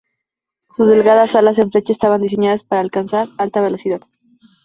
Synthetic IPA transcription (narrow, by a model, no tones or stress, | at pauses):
suzðe̞lɣaðasalas̬e̞ɱfle̞t͡ʃaest̪aβand̪is̬e̞ɲað̞aspaɾaːlkansaɾalt̪aβe̞lo̞siðað